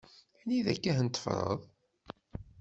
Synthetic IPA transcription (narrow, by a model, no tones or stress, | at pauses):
niðæ̰kːæhnt̪ːə̥fɾˤə̰ðˤ